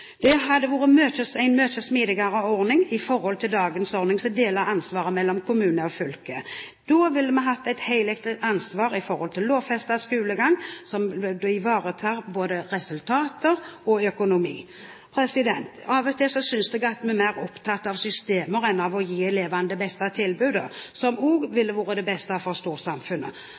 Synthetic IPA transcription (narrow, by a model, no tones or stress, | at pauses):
d̪̥ɛɦɑd̪ːəʋuːʁəmøːt̪əsæɪnmøːt̪ʃəsmiːd̪ɪɡɑɾəɔʁnɪŋɪfɔɾhɔlt̪ʰɪld̪ɑːɡənsɔɾnɪŋsɔmd̪eːləɾɑnsʋɑːɾəmɛlːɔmkʰʊmʉːnəɔfʏlkə | d̪̥oːʋɪlːəmɛnɦɑt̪ːæɪt̪hæɪlɛk̚t̪ɪɑnsʋɑːɾɪfɔɾhɔlt̪ʰɪllːoːʋfɛst̪ɑskʉːləɡɑŋːsɔmd̪ɔɪʋɑːɾət̪ʰɑːɾboːd̪əʁɛsʉlt̪ʰɑːt̪əɾɔœkʊnʊmiː | pʰɾɛsɪd̪ɛnt̪ɑːʋɔt̪ʰɪsɔsʏnsd̪ɛɡɑt̪mɛmæɪʁɔpt̪ʰɑt̪ːɑʋsʏst̪eːməɾɛnɑʋɔjiːleːʋɑnd̪əbɛst̪ɑt̪ʰɪlbʉːd̪əsɔmoːɡʋɪlːəʋuːʁəd̪ɛbɛst̪əɑfɔʁst̪uːʁsɑmfʉnːə̰